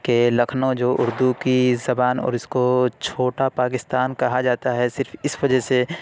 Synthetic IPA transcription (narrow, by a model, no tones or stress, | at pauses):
kelɐkʰnõd͡ʒoːʔʊɾd̪ukizɐbaːnɔ̰ːɾɪskot͡ʃʰoːʈapaːkɪst̪aːnkɐɦad͡ʒaːt̪aɦɛsɪɾfɪsʋɐd͡ʒɛse